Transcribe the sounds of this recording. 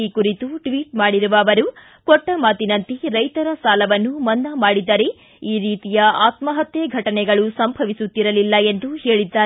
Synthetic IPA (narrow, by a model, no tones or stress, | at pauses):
ikuɾit̪uʈʋiːʈmaːɽiɾuʋɐːʋɐɾu | kɔʈːɐmaːt̪inɐnt̪iɾɐjt̪ɐɾɐsaːlɐʋɐnːumɐnd̪ɐmaːɽid̪ːɐɾe̞ | iːɾiːt̪ijɐaːt̪mɐɦɐt̪jeɡʱɐʈɐnɛɡɐɭusɐmbʱɐʋisut̪ːiɾɐlilːɐe̞nd̪uhe̞ːɭid̪ːaː